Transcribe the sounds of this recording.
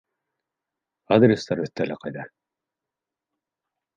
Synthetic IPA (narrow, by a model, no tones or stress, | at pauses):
ad̪ɾʲest̪ɑɾɵθt̪ːælæqɑjd̪ɑ